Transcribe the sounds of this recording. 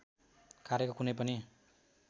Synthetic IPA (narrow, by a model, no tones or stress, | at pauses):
kaɾekokunʌjpʌni